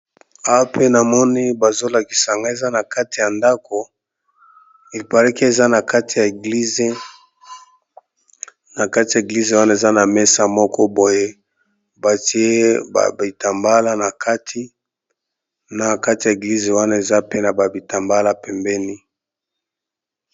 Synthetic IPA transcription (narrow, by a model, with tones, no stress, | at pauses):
a˦wa˦pe˦na˨mɔ˦ni˦ba˨zo˦la˨ki̥˨sa˨ŋɡa˦e˨za˦na˨ka˦ti˨ja˨nda˦ko˨ | e˨pa˨lɛ˦ki˦e˨za˦na˨ka˦ti˨ja˨e˨ɡli˦ze˦ | na˨ka˦ti˨ja˨e˨ɡli˦ze˨wa˦na˦e˨za˦na˨mɛ˦sa˨mɔ˦kɔ˦bo˨je˦ | ba˨ti˦e˦ba̰˨bi˨ta˨mba˦la˦na˨kʰa˦tʰi˦ | na˨ka˦ti˨ja˨e˨ɡli˦ze˨wa˦na˦e˨za˦pe˦na˨ba˨bi˨ta˨mba˦la˦pɛ˨mbɛ˦ni˦